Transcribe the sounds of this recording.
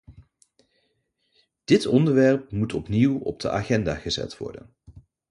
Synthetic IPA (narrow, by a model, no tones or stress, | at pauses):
d̥ɪtɔndəɹʋɛɹp̚mutɔpniwɔ̰b̚dəʔaːχɛnda̰ːχəzɛ̰tʋɔ̰ɹdə̰n